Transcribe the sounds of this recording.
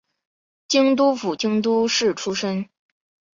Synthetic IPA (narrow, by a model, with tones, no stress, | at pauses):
t͡ɕi˥ŋt̪̬u˥fu˨˩t͡ɕi˥ŋt̪u˥ʂɻ̩˥˩ʈ͡ʂʰu˥ʂə˥ŋ